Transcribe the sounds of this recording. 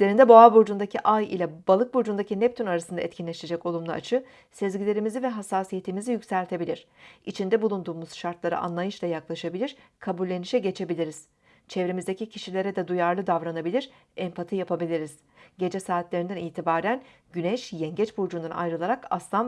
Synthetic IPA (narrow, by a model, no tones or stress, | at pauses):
lʲeɾind̪ɛboabuɾd͡ʒund̪acʰiʔajḭlʲɛbalˠɯk̚buɾd͡ʒund̪acinɛp̚t̪ʰynaɾasɯnd̪a̰ɛt̪cʰinlʲeʃe̞d͡ʒɛco̞lˠumlˠa̰a̰t͡ʃʰɯ | sezɟilʲe̞ɾimizivɛɦasːaːsije̞t̪ʰimizijycsælʲt̪ʰe̞bilʲiɾ̥it͡ʃʰind̪ɛbulˠund̪uːmuz̥ʃaɾt̪lˠaɾɯ̰ʔa̰nlˠajɯʃlˠajaklˠaʃabilʲiɾ̥ | kʰabulʲːe̞niʃɛɟe̞t͡ʃʰe̞bilʲiɾiz̥ | t͡ʃʰɛvɾemizd̪ecicʰiʃilʲe̞ɾɛd̪ɛd̪ujaɾlˠɯd̪avɾanabilʲiɾ | ɛmpʰat̪ʰijapʰabilʲiɾiz̥ | ɟe̞d͡ʒɛsaːt̪lʲe̞ɾind̪ɛniːt̪ʰibaːɾæn | ɟynɛʃjɛɲɟɛt͡ʃbuɾd͡ʒund̪ana̰jɾɯlˠaɾaka̰slˠam